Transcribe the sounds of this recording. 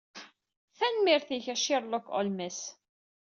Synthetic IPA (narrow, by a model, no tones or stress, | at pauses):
θænmiɾθiçæʃiɾˤlokːʁo̰lmæs